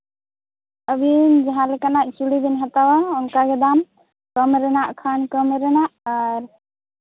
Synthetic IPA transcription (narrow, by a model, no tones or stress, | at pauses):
əbind͡ʒaɦãlɛkanaʔ̚t͡ʃuɽib̪inɦat̪awaɔŋkaɡɛd̪am | kəmɾɛnaʔkʰankəmɾɛnaʔːɾ